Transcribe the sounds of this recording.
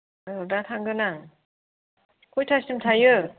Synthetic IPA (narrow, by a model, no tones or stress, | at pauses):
ɯdatʰaŋɡɯnaŋ | kʰojtʰasɯmtʰajɯ